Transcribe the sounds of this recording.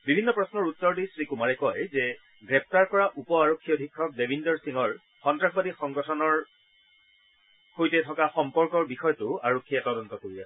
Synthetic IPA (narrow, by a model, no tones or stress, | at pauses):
bibʱinːɔpɹɔsnɔɹutːɔɹdisɹikumaɹɛkɔjzɛ | ɡɹɛp̚taɹkɔɹaʔupɔaɹokʰːiɔodʱikʰːɔk̚debʱindɔɹsiŋɔɹ | xɔntɹaxbadixɔŋɡɔtʰɔnɔɹ | xojtɛtʰɔkaxɔmpɔɹkɔɹbixɔjɔtʊaɹokʰːijatɔdɔntɔkoɹija